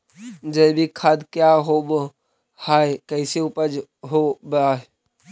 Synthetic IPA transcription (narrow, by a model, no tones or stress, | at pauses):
d͡ʒəbʱikʰaːd̪kjaɦob | haːekəɪseupəd͡ʒɦobaːɦ